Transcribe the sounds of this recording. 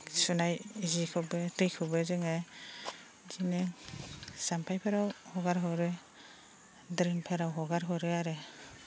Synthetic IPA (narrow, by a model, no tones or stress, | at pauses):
sunajzikʰɯbetɯjkʰɯbɯzɯŋe | zineŋsampʰajpʰeɾawhɔɡaɾɦɔɾɯ | dɾiŋpʰeɾawɦɔɡaɾɦɔɾɯaɾe